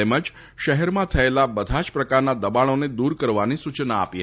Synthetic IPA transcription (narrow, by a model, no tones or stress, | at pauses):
eməd͡ʒ | ʃəɦɛɾmãt̪ʰəelabəd̪ʱat͡ʃpɾəkaɾnad̪əbaɽ̃oned̪uɾkəɾʋanisut͡ʃna̰ːpiɦə